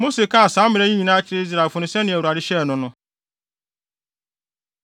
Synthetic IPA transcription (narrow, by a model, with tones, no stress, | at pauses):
mo˦se˨ka˦˨sãː˨˦mɪ̃˨ɾɛ˦ɲĩ˦ɲĩ˨nã˦t͡ɕʰɪ˦ɾe˦i˦z̬ɾa˨fʊ̃˨nɪ̃˨sɛ˦nɪ̃˨ɛ˨u˨a˨ɾɪ˦ɕɛ˦˨nʊ̃˨nʊ̃˦